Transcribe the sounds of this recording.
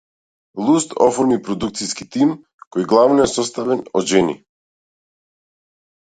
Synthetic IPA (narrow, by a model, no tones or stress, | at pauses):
lˠust̪ɔfɔɾmipɾɔd̪uk̚t̪siskit̪im | kɔjɡlˠavnɔɛsɔst̪avɛnɔʒɛnḭ